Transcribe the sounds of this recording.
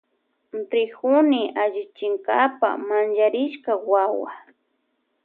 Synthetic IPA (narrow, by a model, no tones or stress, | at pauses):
nt̪ɾɪxʊnɪaʒɪt͡ʃɪŋkapa̰mand͡ʒaɾɪʃkawawa̰